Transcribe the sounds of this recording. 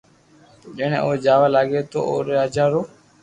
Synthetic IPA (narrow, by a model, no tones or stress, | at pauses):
ɗeːɽ̃ḛ̃ːʔoːd͡ʒaːʋaːlaːɡeːt̪o̰ːʔo̰ːɾeaːd͡ʒaːɾoː